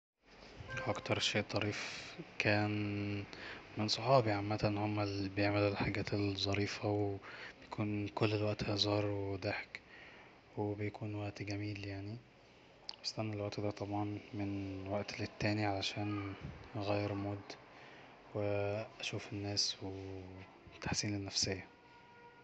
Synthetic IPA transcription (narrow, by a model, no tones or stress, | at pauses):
wʔækt̪ɑɾˤʃeːʔt̪ˤːɑɾiːfkʰæːn | mensˤoħɑːbiʕanmːæt̪lnhomːælbejeʕmellħaɡæːt̪elzˤːɑɾiːfæweb̥ejækʰuːnkolːelwæʔt̪hæzˤɑːɾˤwed̪eħk | webejækʰuːnwæʔt̪ɡæmiːljaʕni | est̪ænːælwæʔt̪d̪æt̪ˤɑbʕɑnmenwæʔt̪let̪ːæːniʕalæʃæːnʔɣæjːeɾmod̪ | weʔæʃuːfenːæːswe | t̪ḁħsiːnenːæfsejːæ